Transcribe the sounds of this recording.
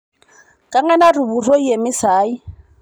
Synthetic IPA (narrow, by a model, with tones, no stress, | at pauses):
kʼa˦ŋɛ˦na˦rʊ˨bu˨rɔ˦i˦e˨mɪ˦saː˨˦i˦